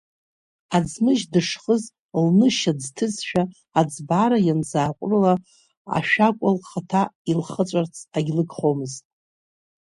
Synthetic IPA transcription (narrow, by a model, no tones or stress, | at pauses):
ad͡zmɨʒdɨʂχəz | lnɨʃad͡ztʰɨzʃᶣaː | d͡zbaɾajand͡zaːkʷʼrla | a̰ʃᶣakʷʼalχatʰailχət͡sʷʼart͡sʰaɡʲlɨɡʰʼχomɨztʼ